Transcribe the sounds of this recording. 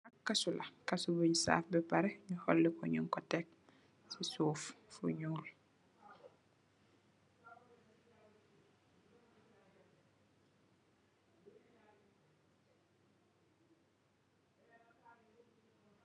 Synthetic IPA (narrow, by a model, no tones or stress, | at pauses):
akkːasulɐkasubəjisa̰ːfbɛpaɾɛɲuhɔlːɛkɔɲuŋkɔtɛk̚ | sisuːffṵɲuːl